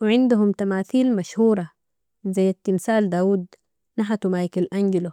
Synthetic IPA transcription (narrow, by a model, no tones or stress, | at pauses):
wɪʕɪnd̪ʊɦumt̪amaːθiːlmaʃhuːɾˤɑ | zajːat̪ːimsaːld̪aːwuːd̪ | naħat̪umaːjɪkalʔanɡɪlu